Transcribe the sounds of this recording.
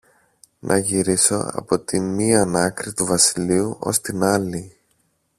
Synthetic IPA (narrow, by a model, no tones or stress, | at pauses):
nʔɐʝiɾiso̞ɐ̰po̞t̪inmiɐnɐkɾit̪uvɐsiliuʔo̞̰st̪inɐli